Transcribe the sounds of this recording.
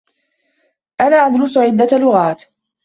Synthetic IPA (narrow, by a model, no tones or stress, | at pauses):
ʔanaːʔad̪lʊsʕɪd̪ːalʊɣaːt̪